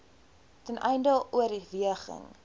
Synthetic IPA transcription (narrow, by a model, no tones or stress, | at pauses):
tənʔɛjndəuəɾiviəχə̰ŋ